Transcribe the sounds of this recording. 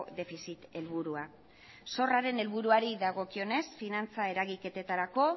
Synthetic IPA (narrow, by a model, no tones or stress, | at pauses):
d̪e̞fisit̪e̞lβ̞uɾua | so̞raɾe̞ne̞lβuɾuaɾiðaɣo̞kio̞ne̞sfinant͡sae̞ɾaɣike̞t̪e̞t̪aɾako̞